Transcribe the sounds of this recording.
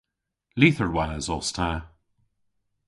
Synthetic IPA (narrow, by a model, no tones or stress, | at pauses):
liːθəɹwaːzɔstʰa